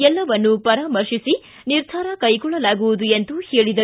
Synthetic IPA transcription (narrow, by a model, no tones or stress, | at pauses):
ɛlːɐʋɐnːupɐɾaːmɐɾʂisi | niɾd̪ʱaːɾɐkɐjɡɔɭːɐlaːɡuʋud̪uent̪uheːɭid̪ɐ